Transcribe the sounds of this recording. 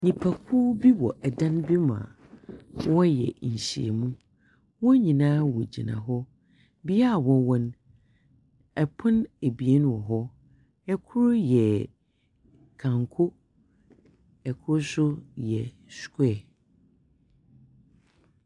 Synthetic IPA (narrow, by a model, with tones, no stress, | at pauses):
ɲĩ˨pʰa˨kʰu˦bi˦wɔ˨ʔɛ˨dã˦n˦bi˦mã̰˨ | wɔ˦jɛ̰˨ɲ̩˨ɕi˨ḛ˨mũ˦ | wɔ̃˦ɲĩ˨nã˦wɔ˨d͡ʑḭ˨nã̰˨ɦɔ˦ | bi˦a˦˨wɔ̃˦wɔ̃˦n | ɛ˨pʰʊ̃˦ne˨bi˨e˦nũ˨ɔ˨ɦɔ˦ | ɛ˦kʰʊ˦ɾʊ˦jɛ˨ | kʰã˨ŋkʰʊ˦ | ɛ˨kʰʊ˦sʊ˦jɛ˨ | skɛ˦˨